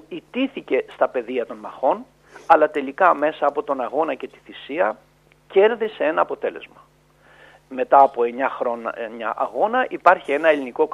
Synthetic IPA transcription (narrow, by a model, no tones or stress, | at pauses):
it̪iθice̞st̪ɐpe̞ðiɐt̪o̞nmɐxo̞n | ɐlɐt̪e̞likɐme̞sɐːpo̞t̪o̞nɐɣo̞nɐce̞t̪i̥θisiɐ | ce̞ɾðisee̞nɐːpo̞t̪e̞le̞̰zmɐ | me̞t̪ɐːpoeɲɐxɾonɲɐ̰ʔɐ̰ɣo̞nɐʔipɐɾçie̞nɐe̞liniko̞